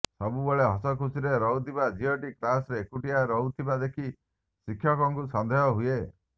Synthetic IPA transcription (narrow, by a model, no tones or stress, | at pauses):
sɔbubɔɭeɦɔsɔkusiɾeɾɔut̪ibad͡ʒiɔʈiklasɾeːkuʈiaɾɔut̪ʰibad̪ekʰi | sikʰjɔkɔŋkusɔnd̪ʱejɔɦue